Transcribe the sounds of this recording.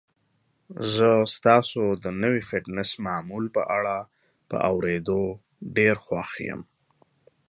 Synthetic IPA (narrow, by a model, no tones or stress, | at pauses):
zəst̪ɑsod̪ənəwifɪʈnɪsmɑmulpəʔaɽa | pə̰ʔawɾed̪o | ɖeɾxwaxjə̰m